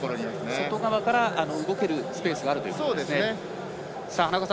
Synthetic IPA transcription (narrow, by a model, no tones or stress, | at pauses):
aɾiasnso̞t̪o̞ɡaβakaɾaʔano̞ɯɡo̞ke̞ɾɯ̟sɨ̥pe̞ːsɨɡaːɾɯ̟t̪oḭksoːdeesɨnee | sahanakoasã